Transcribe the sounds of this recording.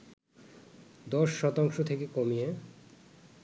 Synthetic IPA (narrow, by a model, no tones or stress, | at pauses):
d̪ɔʃːɔt̪aŋʃot̪ʰekekomije